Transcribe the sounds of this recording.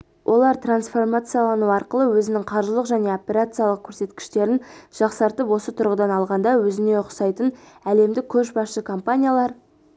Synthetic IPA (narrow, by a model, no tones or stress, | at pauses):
wʔo̞lˠɑɾt̪ransfo̞rmat̪sɨjalˠɑnuɑɾqəlˠəwɵzɪnɪŋqʰɑɾʒəlˠəqʒæne̞opʲe̞ɾat̪sɨjalˠəq̚kʲʰɵɾse̞t̪kʲɪ̥ʃt̪e̞ɾɪnʒ̥ɑqsɑɾt̪əpwo̞sət̪ʰʊɾʁəd̪ɑnɑlˠʁɑnd̪ɑwɵzɪne̞ʊqsɑjt̪ən | æle̞md̪ɪkʲʰɵʃbɑsʃəkʰompanʲijalˠɑɾ